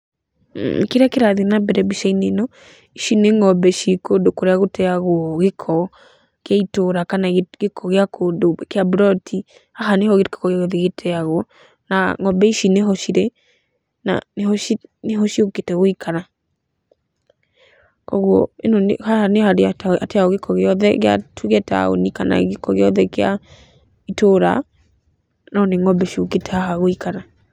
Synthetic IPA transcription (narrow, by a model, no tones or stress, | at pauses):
keɾeakeɾaðinabɛɾɛbiʃainenɔ | iʃineŋɔbɛʃikodokoɾeaɣotɛaɣwɔɣekʰɔ | kjaitoɾakanaɡekʰɔɣeakʰoːdokeabɾɔtʰi | haɦanehɔɣetkḁkɔɣaɣoðiɣetʰɛaɣwɔ | naŋɔbɛiʃineɦɔʃiɾɛ | na̰nehɔineɦɔʃioketɛɣoikʰana | kɔɣwɔ̰enonhahanehaɾeaateaoɣekʰɔɣeɔðɛɣea̰tʰuɣɛta̰o̰nikana̰ɣekɔɣeɔðɛkea̰ | itoɾa̰ | nɔneŋɔbɛʃioketɛhaɦaɣoikana